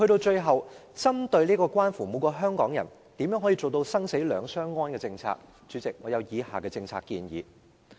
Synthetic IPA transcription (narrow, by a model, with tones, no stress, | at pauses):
hɵ˧ɾo˧wt͡ʃɵ˧ɥɦɐ˨wt͡sɐ˥mt̪ɵ˧ɥliː˥kɔː˧kʷwaː˥nfuː˨˩mu˨˧kɔː˧ɦœː˥ŋkɔː˨˥ŋjɐ̰˨˩n | t̪i˨mjœ˨˥ŋɦɔ˨˥iː˧t͡so˨wt̪o˧wsɐ˥ŋse˨˥jlœː˨˧ŋsœː˥ŋːɔː˥nkɛː˧t͡sɪ˧ŋt͡sʰa̰ː˧k̚ | t͡ʃyː˨˧˥t͡sɪ˨k̚ŋɔː˨˧jɐ˨˧wjiː˨˧ha̰ː˨˩kɛː˧t͡sɪ˧ŋt͡sʰaː˧kːḭː˧njḭː˨˧